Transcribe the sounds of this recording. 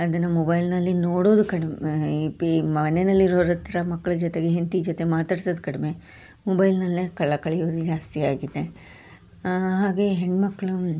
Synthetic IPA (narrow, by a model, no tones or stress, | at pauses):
ɐd̪ɐnːɐmobɐjlnɐlːinoːɽoːd̪ukɐɽempimɐnenɐlːiɾoːɾɐt̪ːiɾɐmɐkːɐɭɐd͡ʒɔt̪e̞ɡeɦent̪id͡ʒot̪emaːt̪aːɽisoːd̪kɐɽeme̞ | mobɐjlnɐlːikɐɭːɐkɐɭɛjoːd̪ud͡ʒaːst̪ijaːɡid̪ːe̞ | ɦaːɡe̞ɦeɳɖmɐkːɐɭu